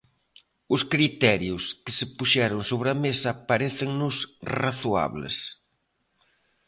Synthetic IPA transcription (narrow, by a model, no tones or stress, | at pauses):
ʊskɾit̪ɛɾjʊskɪsɪpuʃɛɾʊŋsoβɾɐmesɐpaɾeθɪŋnʊsraθua̰βlɪ̰s